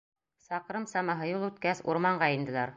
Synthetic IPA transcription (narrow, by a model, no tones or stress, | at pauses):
sɑqɾɤmsɑmɑɦɤjulˠʉt̪kæsṵɾmɑɴɢɑind̪ɘ̆læɾ